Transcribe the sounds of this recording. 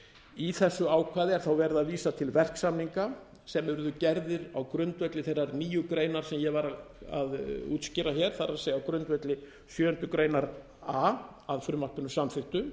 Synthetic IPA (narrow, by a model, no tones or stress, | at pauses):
iθɛsːʏaːwkʰvaːðɪɛɾ̥θawvɛɾðaðviːsat̪ʰɪlvɛr̥ksamniŋka | sɛmɛɾðʏcɛɾðɪɾawkɾʏnt̪vœt̪lɪθejrːaɾniːjʏkɾeːjnaɾ̥sɛmjɛvaɾaa̰ðṵːt̪scɪɾaçɛɾ̥θaɾaðsejawkɾʏnt̪vœt̪lɪ | sjœːʏnt̪ʏkɾejnaɾ | aː | aðfɾʏmːahpɪnʏsamfɪht̪ʏ